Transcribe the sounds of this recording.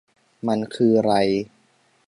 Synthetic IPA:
ma˧nkʰɯː˧ɾa˧j

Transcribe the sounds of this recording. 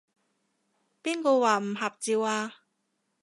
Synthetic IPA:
piː˥nko˧waː˨m̩˨˩ɦa˨p̚t͡siː˨˧waː˧

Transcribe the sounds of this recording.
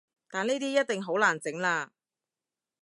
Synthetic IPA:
t̪aː˨niː˥t̪iː˥jɐ˥t̚t̪ɪ˨ŋɦo˨˥wlaː˨˩nt͡sɪ˨˥ŋlaː˧

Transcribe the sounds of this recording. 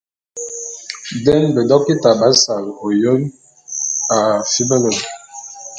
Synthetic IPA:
dɛ˦nbə˨dɔ˦kːi˦ta˨ba˨˦sa˨lo˨jo˦n | a˨fi˦bə˦lə˨

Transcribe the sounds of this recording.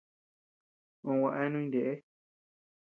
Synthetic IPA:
õ˧wã˧ʔa˦e˦nũ˧ĩ˧de˨ʔe˦

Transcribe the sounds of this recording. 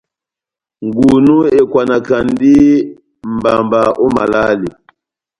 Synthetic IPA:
ŋ˨ɡu˨nu˦e˨kwa˨na˨ka˨n˦di˦ | m̩˨ba˨mba˨ʔo˦ma̰˨la˦li˨

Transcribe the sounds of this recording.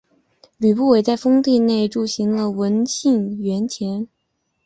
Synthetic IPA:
ly˨˩pu˥˩we˨˩ɪt͡sa˥˩ɪfɤ˥ŋt̪i˥˧ne˥˩ɪʈ͡ʂu˥˩ɕi˧˥ŋlə˧wə˧˥nt͡ɕʰi˥˩ŋɥɛ˧˥nt͡ɕʰjɛ˧˥n

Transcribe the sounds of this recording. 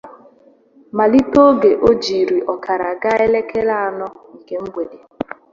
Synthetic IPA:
ma˨li˦to˦ɡe˨ʔo˦d͡ʒi˨ɾi˨ʔɔ˨ka˨ɾa˨ɡa˦e˦le˦ke˦la˦a˨nɔ˦i˨ke˦m̩˦ɡ͡bʷe˨de˨

